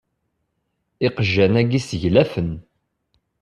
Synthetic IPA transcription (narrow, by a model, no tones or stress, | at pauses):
iqəʒːænæɡisəʝlæfən